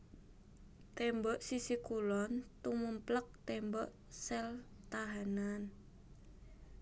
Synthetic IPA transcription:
t̪ɛmbɔʔsisikulɔnt̪umumplək̚t̪ɛmbɔʔ | sɛl | t̪aɦanan

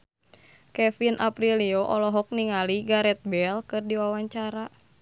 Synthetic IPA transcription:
kɛfinʔapɾiliɔʔɔlɔɦɔk̚niŋaliɡaɾɛt̪̚bɛlkɨrdiwawaɲt͡ʃaɾa

